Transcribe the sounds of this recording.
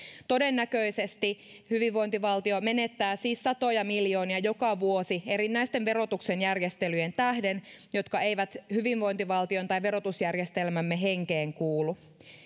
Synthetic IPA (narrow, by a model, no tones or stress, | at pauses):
t̪o̞denːækøisest̪i | hyʋiʋʋo̞jnt̪iʋɑlt̪iome̞net̪ːæːsiːsːɑt̪o̞jɑmiljo̞ːniɑjo̞kɑʋuosie̞ɾinːæjst̪enʋe̞ɾo̞t̪uksenjærjest̪elyjent̪æhdenjo̞t̪kɑe̞jʋæt̪hyʋiʋʋo̞jnt̪iʋɑlt̪iont̪ɑjʋe̞ɾo̞t̪usjærjest̪elmæmːeɦe̞ŋkeːŋkuːlu